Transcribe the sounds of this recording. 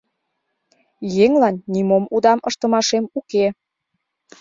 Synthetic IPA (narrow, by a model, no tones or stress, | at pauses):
jeŋlɑnːimomud̪ɑməʃt̪ə̆mɑʃemuke